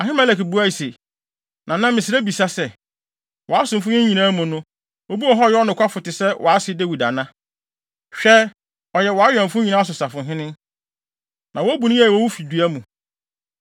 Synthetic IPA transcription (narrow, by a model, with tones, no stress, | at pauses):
a˨ɦɪ̃˦mæ˦˨lɛ˨ki˨bu˦a˦i˨se˨ | nʔã˨nã˦mɪ̃˨sɪ˨ɾæ˦bi˨sa˦sɛ˨ | wɔ˨a˦sʊ̃˨mfʊ̃˦ɲɪ̃˦ɲĩ˨nãː˦mũ˨nʊ̃˦ | wo˦bi˦ɔ˨ɦɔ˦˨jɛ˦ɔ˦nʊ̃˨kʰʷa˦fʊ˨tɪ˨sɛ˦wʔɔ˨a˦sɪ˦de˦wi˨da˨nã˦ | ɕᶣɛ˦ | ɔ˨jɛ˨wɔ˨a˦ɥᶣɛ̃˨ɱ˨fʊ˦ɲĩ˨nã˦s̬ʊ˨sa˨fʊ̃˨ɦɪ̃˦nɪ̃˦ | nʔã˨wɔ˦bu˨nʊ̃˦jɛ˦˨wɔ˦wu˦fi˨du˨æ˦mũ˨